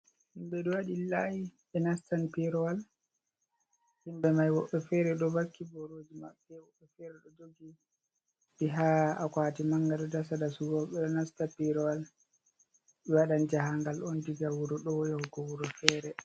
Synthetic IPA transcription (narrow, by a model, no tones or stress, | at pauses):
himbɛɗɔwaɗilajiɓɛnastanpiɾɔwal | himbɛmajwɔɓːɛfɛɾɛɗɔbakːibɔɾoːd͡ʒimaɓːɛwɔɓɛfɛɾɛɗɔd͡ʒoɡi | biɦaakwaːtimaŋɡaɗɔdasadasuɡɔɓːɛɗɔnastapiɾɔwal | ɓiwaɗand͡ʒaɦaŋɡalɔndiɡawuɾɔɗɔjɔhɔkɔwuɾɔfɛɾɛ